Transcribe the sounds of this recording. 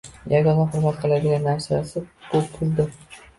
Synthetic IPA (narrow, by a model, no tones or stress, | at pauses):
jʔaɡʲɒnaχʊɾmat̪̚qʰɨlˠad̪ɪɡʲanːaɾsasɪkʰɵp̚kʰʊlˠd̪ɪ